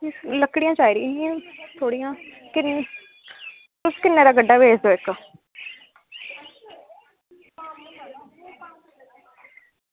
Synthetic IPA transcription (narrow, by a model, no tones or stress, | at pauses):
ləkɽɪjãːt͡ʃaːiɾiãːãt̪ʰoːɽijãː | kɪnː | ʊskɪnːeːɾaːɡəɖːaːbʱeːd͡ʒd̪oːɪkː